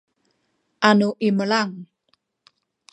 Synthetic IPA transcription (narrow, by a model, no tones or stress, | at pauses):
ʔanuʔiməlaŋ